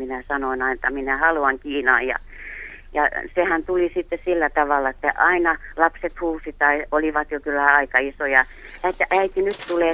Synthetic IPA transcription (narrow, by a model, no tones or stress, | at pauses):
minæsɑnoinɑinet̪ːɑminæhɑluɑŋkiːnɑːjjɑ̰ | jɑ̰sehænt̪ulisit̪ːesilːæt̪ɑʋɑlːˑɑĕt̪ːæ̰ʔɑinɑlɑpset̪huːsit̪ɑioliʋɑt̪jokylːæɑikɑisojɑ | et̪ːæʔæit̪inyt̪t̪uleː